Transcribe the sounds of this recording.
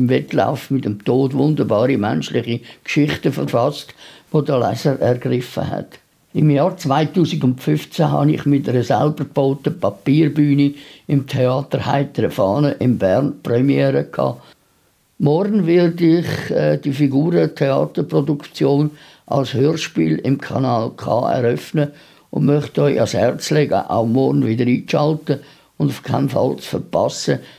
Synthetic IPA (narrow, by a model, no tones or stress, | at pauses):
ɪmvɛtla̰ʊfmɪtəmtoːdvʊndəɾbɑːɾimɛ̰nʃlɪχikʃɪχtəfəɾfɑstʋodəlɛ̰səɾɛrɡrɪfə̰hɛ̰t | ɪmjɑːɾt͡svaɪtuːsɪɡʊntfʏft͡sæɦɑ̰nɪ̰χmɪtəɾəsɛlbərb̥oʊtəpɑpiːrbyːniɪmtʰeɑːt̪əɾha̰ɪtəɾəfɑːnəʔɪmbɛɾnprɛmjɛːɾəkʰɑ̰ː | mɔrnvɪrdɪχɛd̥ifiɡuːɾətʰeɑːt̪əɾprodukt͡sjoːn | ʔɑ̰lshøːrʃpḭːlɪmkʰɑ̰nɑːlkʰɑ̰ːɛ̰ɾœfnə | ʊ̰nmœχtɔɪʔɑ̰shɛɾt͡slɛɡə̰ʔa̰ʊmɔɾnvɪdəɾiːkʃɑltə | ʊndʊfkʰaɪnfɑ̰lt͡sfəɾpɑ̰sə